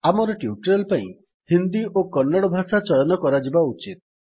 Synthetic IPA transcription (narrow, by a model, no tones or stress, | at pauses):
amɔɾɔʈiuʈɔɾɔlpaĩ | hind̪iʔokɔnːaɽɔbʱasat͡ʃɔjɔnɔkɔɾad͡ʒibaut͡ʃit̪̚